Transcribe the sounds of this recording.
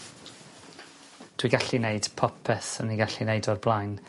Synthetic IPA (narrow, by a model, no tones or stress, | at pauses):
d̥wiɡaɬinejd̥pʰɔpʰɛθəniɡaɬinejdɔrblˠajn